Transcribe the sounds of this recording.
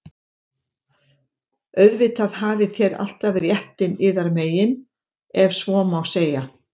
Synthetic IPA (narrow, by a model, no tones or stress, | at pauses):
œɥðvɪt̪aðɦaːvɪθjɛɾa̰l̥t̪aðrjɛht̪ɪnɪːðaɾmeːjɪn | ɛvsvɔːmawseːja